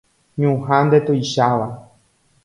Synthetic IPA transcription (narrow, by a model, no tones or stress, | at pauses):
ɲũɦãnd̪e̞t̪ojʃaʋa